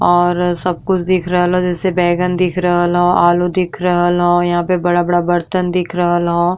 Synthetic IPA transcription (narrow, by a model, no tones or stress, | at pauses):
ɔːɾsɐb̚kʊt͡ʃʰd̪ɪkʰɾɐɦlɦod͡ʒɛːsebɛːɡənd̪ɪkʰɾɐɦəlɦoʔaːlud̪ɪkʰɾɐɦəlɦoːjɐɦãːpebɐɽabɐɽabɐɾt̪ənd̪ɪkʰɾɐɦəlɦoː